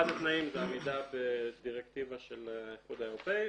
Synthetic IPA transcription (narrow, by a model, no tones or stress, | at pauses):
adat̪naimzeamed̪abed̪iʁekt̪ivaʃeljiχud̪ae̞ʁopei